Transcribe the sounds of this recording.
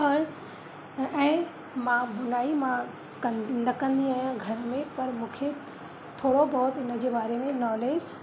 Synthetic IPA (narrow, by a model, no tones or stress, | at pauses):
ɦoːe | ɛ̃ː | mãbʊnaːimã | kɐ̃nnɐkɐ̃nd̪iaːɦijãɡʱɐɾmẽpɐɾmũːkʰe | t̪ʰoːɽobɔːt̪ɪnə̆d͡ʑeːbaːɾemẽnɔːleːs